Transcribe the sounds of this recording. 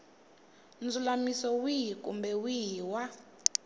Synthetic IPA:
nd͡zulamisɔwiɦikʼumbɛwiwa

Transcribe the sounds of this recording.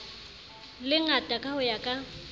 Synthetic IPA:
lɪŋatʼakʼahʊjakʼa

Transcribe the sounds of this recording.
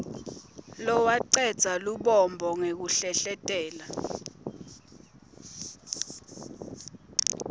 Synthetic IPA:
lɔwaǀɛd̥z̥ʱaluɓɔmbʱɔŋek̬uɬɛɬɛtʼɛːla

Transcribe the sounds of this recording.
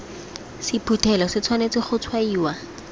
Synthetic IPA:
sɪpʰutʰɛlɔsɪt͡sʰwanet͡sɪχʊt͡sʰwaiːwa

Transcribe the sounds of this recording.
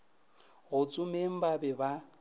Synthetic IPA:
ɣʊt͡sʼʊmem̩babɛba

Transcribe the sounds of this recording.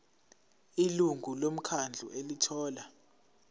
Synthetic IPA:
iluŋɡʱulom̩kʰand͡ɮʱṵʔelitʰɔːla

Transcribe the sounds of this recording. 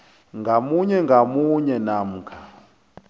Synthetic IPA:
ŋɡʱamuɲɛŋɡʱamuɲɛnam̩ːkʰa

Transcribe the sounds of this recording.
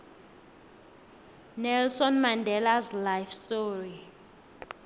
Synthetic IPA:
nɛlsɔnmandʱɛlaslajfstʼoːri

